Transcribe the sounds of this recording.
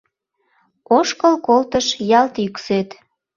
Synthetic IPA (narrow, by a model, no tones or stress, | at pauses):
oʃkəlkolt̪əʃjɑlt̪ykset̪